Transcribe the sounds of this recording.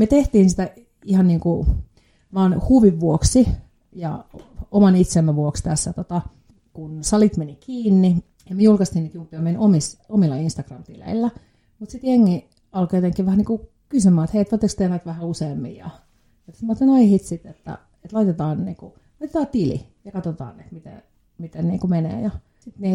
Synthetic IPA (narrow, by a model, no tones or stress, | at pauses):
met̪eht̪iːnsit̪æ | ihɑnniːŋku | ʋɑːnhuʋiʋʋuoksi | jɑ̰omɑnit̪semːæʋuokst̪æsːæt̪ot̪ɑ | kunsɑlit̪menikiːnːi | jɑmiejulkɑst̪iniːt̪jumpːiɑmenomisomilːɑinst̪ɑkrɑmt̪ilḛilːæ | mut̪sit̪jeŋːi | ɑlkojot̪eŋkːiʋʋæhæniːku | kysymæːet̪heiet̪ʋot̪ːekst̪ehnæt̪ʋæhæuseːmːḭjjɑ̰ | et̪sɑmːot̪ːenɑihit̪sit̪et̪ːæ̰ | et̪lɑit̪et̪ɑːnnḭːku | lɑit̪et̪ɑːt̪ilḭjɑkɑt̪ot̪ɑ̰ːnet̪mit̪ḛ | mit̪enniːŋkumenḛːjɑ | sit̪niː